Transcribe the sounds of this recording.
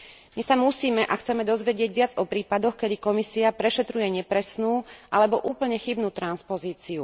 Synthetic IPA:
misamusiːmɛʔaxt͡sɛmɛd̪ɔzʋɛɟɪɛɟʋɪad͡zɔpɾiːpad̪ɔxkɛd̪ikɔmisiapɾɛʃɛt̪ɾujɛɲɛpɾɛsnuːʔalɛbɔʔuːpl̩ɲɛxibnuːt̪ɾanspɔziːt͡siu

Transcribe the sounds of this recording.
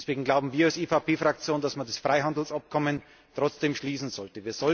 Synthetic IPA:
ɛsv̥eːɡŋ̩ɡlaʊbm̩viːɐalseːfapʰeːfʁ̥ak̚t͡sjoːndasmandasfʁ̥aɪɦandl̩sap̚kʰɔmən | tʁ̥ɔt͡sd̥eːmʃliːsn̩zɔltəviːɐz̥ɔ

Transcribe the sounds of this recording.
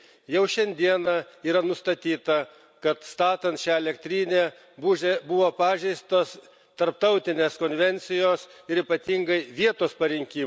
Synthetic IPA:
jɛʊʃʲɛnʲd̪ʲiɛnɐiːɾɐnʊst̪ɐt̪ʲiːt̪ɐ | kɐt̪st̪ɑːt̪ɐnt̪ʃʲæːɛlʲɛkt̪ʲɾʲiːnʲeː | buːʒʲebʊʋoːpɑːʒʲɛɪst̪oːs | t̪ɐɾp̚t̪ɐʊt̪ʲɪnʲeːskoːnʲʋʲɛnʲt̪sʲɪjoːsɪɾiːpɐt̪ʲiŋɡɐɪʋʲiɛt̪oːspɐɾʲɪŋʲkʲiːm

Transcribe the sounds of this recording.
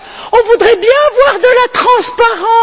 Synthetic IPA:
ɔ̃vud̪ʁɛbjɛ̃vwaʁd̪əlat̪χɑ̃spaʁɑ̃

